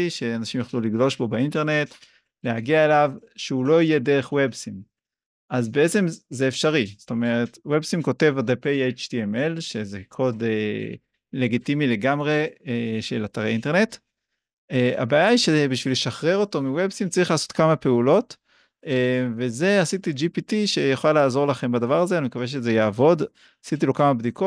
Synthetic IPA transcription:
ʃe̞anaʃimjoχluliɡlo̞ʃbo̞beinte̞ne̞t | leaɡiaelavʃeulo̞ije̞deʁeχwebsim | azbe̞et͡se̞mzeefʃaʁiz̥o̥to̞me̞ʁe̞twebsimko̞te̞vadepejejt͡ʃtiemelʃezekʰo̞de | le̞ɡitimile̞ɡamʁe̞eʃelat̪aʁeinte̞ʁne̞t | ea̰baːjaiʃebiʃvileʃaχʁe̞ʁo̞to̞miwebsimt͡saʁiχlaːso̞tkamape̞ulo̞t | eve̞ze̞asit̪id͡ʒipitiʃejeχolalaːzo̞ʁlaχe̞mbadavaʁazeanimekaveʃ̬ezejaːvo̞d | asit̪ilokamabd̪iko

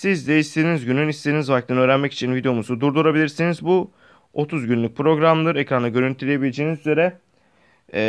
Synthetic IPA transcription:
sizd̪ɛist̪ʰeinizɟynynist̪einizvak̚t̪ʰɯnøːɾænmɛci̥t͡ʃʰinvid̪eomuzud̪uɾd̪uɾabilʲiɾsinizbu | o̞t̪ʰuzɟynlʲyc̚pʰɾo̞ɡɾamˠɯɾecɾanaɟø̞ɾynt̪ʰilʲejebilʲed͡ʒeːnizyze̞ɾɛ

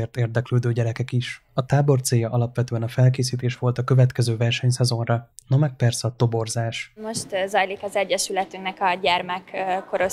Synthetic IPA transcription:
eːrt̪eːrd̪ɛkløːd̪øːɟɛɾɛkɛkiʃ | ɒt̪aːbo̞rt̪seːjːɒʔɒlɒpʋɛt̪øːɛnɒfɛlkeːs̬iːt̪eːʃʋo̞lt̪ɒkø̞vɛt̪kɛzøːvɛrʃɛɲsɛzo̞nrɒnɒmɛk̚pɛrsɛɒt̪o̞bo̞rzaːʃmo̞ʃt̪zɒjlikɒzɛɟːɛʃylɛt̪yŋknɛkɒɟɛrmɛkːoɾo

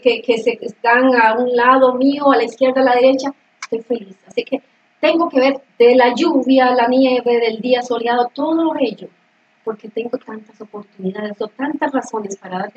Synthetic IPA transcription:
kekeseɡaŋaunlaðo̞mioalaiskje̞ɾðalaðe̞ɾe̞t͡ʃa | est̪o̞jfe̞lisasike | t̪e̞ŋɡo̞ke̞βe̞ɾd̪elaʝuβjalaniɲaeβeðeld̪iaso̞ljaðot̪o̞ðoloɣeʎo | po̞ɾke̞t̪e̞ŋɡo̞t̪ant̪aso̞po̞ɾt̪uniðaðesot̪ant̪asraso̞ne̞spaɾaðaɾ

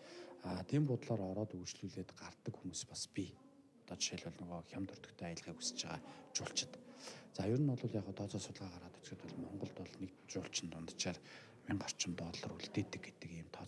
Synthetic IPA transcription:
aːt̪ʰiːmpʊt̪ɮaːɾɔɾɔːt̪ujt͡ɕɮuːɮeːt̪ɢart̪ə̆kxumuːspaspʲi | t̪ɔːt͡ɕʃeːɮʊːɮnɵɣɔːxʲamt̪ʰɵr̥t̪ɵ̥̆kt̪ʰeːajə̆ɮʁiːkus̆t͡ɕaʁa̰ːt͡ɕʊːɬt͡ɕɪ̥̆t̪t͡saːjʊːɾə̆nɔɮʊːɮjaːχʊːt̪ʰɔːt͡sɔːsʊt̪ɮʁaːʁaɾʁaːt̪ɵ̥t͡sɡɘ̆t̪pɔɮmɔɴɢɞ̆ɮt̪ʊɮnek | t͡ɕʊːɬt͡ɕɪ̆nt̪ʊnt̪ə̥̆t͡ɕaːr | miŋɢɔr̥t͡ɕɪ̆mt̪ɔɮɞ̆ruɮt̪eːt̪ːɘ̆k̚ɡet̪ɘ̆kiːmt̪ʰɔː

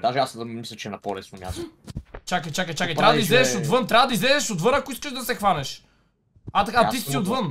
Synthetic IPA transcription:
d̪aʒɛasmislʲɐt͡ʃɛnɐpolɛsnomʲja̰st̪ot͡ʃakɐjt͡ʃakəjt͡ʃakəjt̪ɾavɐd̪izlɛzɛʃod̪vɤnt̪ɾʲavɐd̪ɐizlɛzɛʃod̪vɤnɐkʊiskəʒd̪ɐsɛxvanɛʃ | at̪ɐkat̪ist̪iot̪vɤn

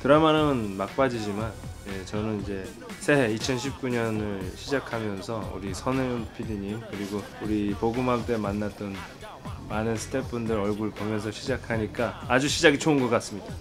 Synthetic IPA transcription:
kɯɾamanɯɯnmak̚p͈ad͡ʑid͡ʑimanjet͡ɕʌnɯnid͡ʑe̞ | sʰeɦeit͡ɕʰʌnɕʰip̚k͈uɲʌnɯɭɕʰid͡ʑakʰamjʌnsʰʌṵɾisʰʌneunpʰidiɲimkɯɾiɡo | uɾipoɡɯmɦamt͈e̞manːatt͈ʌn | manɯnsʰɯ̥t͈ʰep͈undɯɾʌɭɡuɾɭpomjʌns̬ʰʌɕʰid͡ʑakʰaɲik͈aːd͡ʑuɕʰid͡ʑaɡit͡ɕʰounɡʌk͈ats͈ɯmɲid̥a

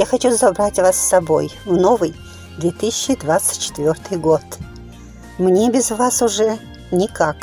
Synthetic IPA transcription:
jaxɐt͡ɕuzɐbɾatʲvassɐbo̰jvnovɨj | d̪vʲet̪ɨsʲɪɕːɪd̪vat̪sɨ̥tʲt͡ɕːɪ̥t̪vʲort̪ɨjɡo̞t̪ | mnʲebʲɪzvasʊʐɛ | nʲɪkak

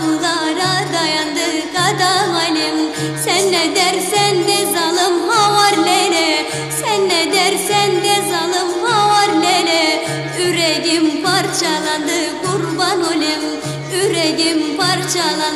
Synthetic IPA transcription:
mlˠɑɾɑd̪ɑjɑnd̪ɯkɑd̪ɑmɑlʲimsɛnːɛd̪ɛɾsɛnd̪ɛzɑlˠɯmhɑwɑɾlɛlɛ | sɛnːɛd̪ɛɾsɛnd̪ɛzɑlˠɯmhɑwɑɾlɛlɛ | yɾɛɡʲɪmpɑɾt͡ʃʰɑlˠɑnd̪ɯkuɾbɑnolʲim | yɾɛɡimpɑɾt͡ʃʰɑlˠɑ

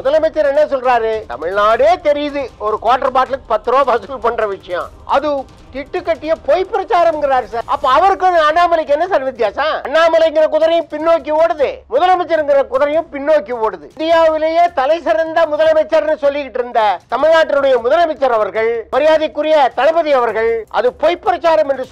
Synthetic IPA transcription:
mʊðɐlɐmɛt͡ʃːɐɾɛnːɐsɔlɾaːɾɯt̪ɐ̰mɪɻnaːɽeːt̪ɛɾɪjɐðɯɔɾɯkoːʈːɐɾɐpaːʈɪlɯkːɯ̥pɐt̪ːɯɾoːbaːsɪlpɐɳrɐʋɪʂɐjɐ̰̃ː | ʔɐ̰ðɯ | t̪ɪʈːɯkːɐʈːɪjɐpoːjpːɪɾɐt͡ʃaːɾɐmŋɡɪɾaːɾsaːɾɐpːoɐʋɐɾɯkːɯɐðɯɐnːaːmɐlɐkːɛnːɐsɐɾʋɪt̪ːjaːsãːɐɳːaːmɐlɐɪŋɡɪɾɐk̬ʊðɐɾɐjʊ̃pɪnːoːk̬ːiʋoːɽɯðemʊðɐlɐmɛt͡ʃːɐɾŋɡɪɾɐkʊðɐɾɐjʊ̃pɪnːoːkːiʋoːɽɯðɯd̪ɪjaːʋɪleːjeːt̪ɐlɐɪsɐɾɐnd̪ɐmʊðɐlɐmɛt͡ʃːɐɾnːɯsɔlːɪkːɪʈːɪɾɯnd̪ɐt̪ɐmɪɻaːʈːɪlʊɽɐjɐmʊðɐlɐmɛt͡ʃːɐɾɐʋɐɾɣɐɭʋɐɾɪjaːðɪkːʊɾɪjɐt̪ɐlɐbɐðiɐʋɐɾɣɐɭʔɐ̰ðɯpojpːɪɾɐt͡ʃːaːɾɐmɛndrɯ

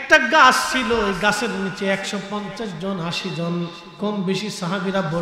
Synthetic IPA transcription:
ɛk̚ʈaɡast͡ʃʰiloɡaseɾnit͡ʃeɛkʃɔpɔnt͡ʃasd͡ʒɔnaʃid͡ʒɔn | kɔmbeʃisaɦabiɾabɔ

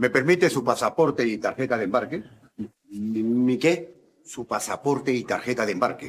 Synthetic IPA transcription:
me̞peɾmit̪esupasapo̞ɾt̪eit̪aɾxet̪aðembaɾke | mike | supasapo̞ɾt̪eit̪aɾxet̪aðembaɾke

